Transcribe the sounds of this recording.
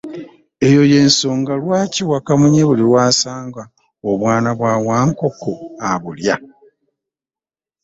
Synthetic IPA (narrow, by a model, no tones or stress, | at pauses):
e̞jo̞je̞ːnso̞ːŋɡalwaːciwakamuɲeβuliɾwaːsaːŋɡa | oβwaːnaβwaːwaːŋko̞koaβulja